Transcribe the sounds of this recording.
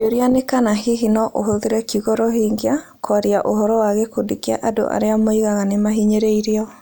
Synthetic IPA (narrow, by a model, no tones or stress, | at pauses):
oɾianekanahiɦinɔʔoɦoðeɾɛkiɣɔɾɔɦiŋɡea | kwaɾiaʔoɦɔɾɔwaɣɛkodikia̰ʔado̰ʔa̰ɾeamoiɣaɣanemaɦiɲeɾeiɾeɔ